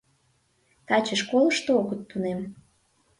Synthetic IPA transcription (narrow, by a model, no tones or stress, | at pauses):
t̪ɑt͡ɕəʃkoləʃt̪ooɣət̪ːunem